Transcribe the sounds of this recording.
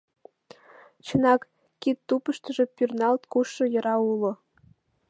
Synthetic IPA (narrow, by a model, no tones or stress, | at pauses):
t͡ɕɤ̆nɑkː | it̪ːupə̆ʃt̪ɤ̆ʒĕpʲyrnɑlt̪kuʃːɤ̆jɤ̆ɾɑulŏ